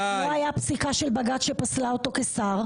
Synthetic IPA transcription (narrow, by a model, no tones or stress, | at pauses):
oajapsikaʃelbaɡat̪ʃepaslaot̪o̞kesaʁ